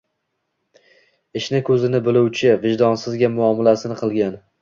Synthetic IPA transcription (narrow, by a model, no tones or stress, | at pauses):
ɪʃnɪkʰɵzɪnɪbɪlʊwt͡ʃʰɪvɪʒd̪ɒnsɪzɡʲamʊɒmɪlasɪnɪqʰɨlˠɡʲan